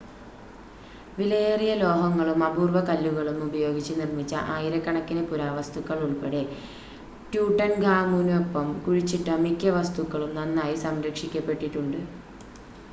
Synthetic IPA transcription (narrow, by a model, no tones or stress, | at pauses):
ʋilejerijɐlo̞ːɦɐŋːɐɭumɐbuːrʋɐkɐlːuɣɐɭumubɐjo̞ːɡit͡ɕːɨnirmit͡ɕːɐ̰ʔaːjiɾɐkːɐɳɐkːinepuɾaːʋɐst̪ukːɐɭuɭpe̞ɽe | ʈjuːʈːɐnɡaːmuːnepːɐmkuɻit͡ɕːiʈːɐmikʲːɐʋɐst̪ukːɐɭumnɐnːaːjisɐmɾɐkʂikʲːɐpːe̞ʈːiʈːuɳɖɨ